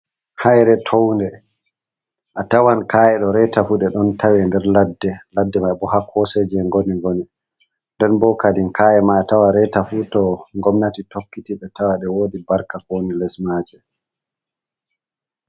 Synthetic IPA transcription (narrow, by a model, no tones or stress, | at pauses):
hajɾɛtʰowndɛ | ʔatawankaːjɛɗɔɾɛtafuɗɛɗɔntʰawɛndɛɾladːɛladːɛmajbɔɦakʰɔsed͡ʒɛŋɡoniŋɡoni | ndɛnbɔkadinkaːjɛmaːtawaɾɛtafutɔŋɡɔmnatitokːitiɓɛtawaɗɛwoːdibaɾkakonilɛsmaːd͡ʒɛ